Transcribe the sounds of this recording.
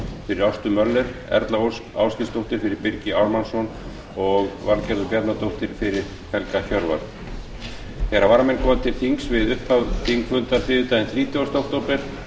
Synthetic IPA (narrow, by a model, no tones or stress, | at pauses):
fɪɾɪɾawst̪ʏmœlːɛɾ̥ɛ̰ɾt̪laowsa̰wscɪlst̪owht̪ɪɾ̥fɪɾɪɾpɪɾcɪaɾmansɔn | ɔɣvalcɛɾðʏpjɛɾt̪nat̪owht̪ɪɾ̥fɪɾɪɾ̥ | hɛlkaçœɾva̰ɾ | θɛɾavaɾamɛjnkʰɔːmat̪ʰɪlθiŋksvɪðʏhpʰaðθiŋkfʏnt̪aɾfɪːðɪt̪ajɪnθɾiːt̪jʏast̪owht̪owpɪɾ̥